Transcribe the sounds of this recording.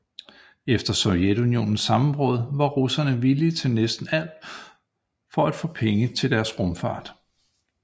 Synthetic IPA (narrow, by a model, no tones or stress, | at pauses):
efd̥ɐsɒ̽ʊjed̥unio̝̰ːnn̩sːɑ̈m̩bʁɔ̽ːðˠʋɑ̈ʁusɐnəʋilit͡sʰe̝nesd̥n̩æl̰̥ | fɒ̽æd̥fɔ̰̽ːpʰeŋət͡sʰe̝ld̥æɐsʁɔ̽mfɑ̰̈ːd̥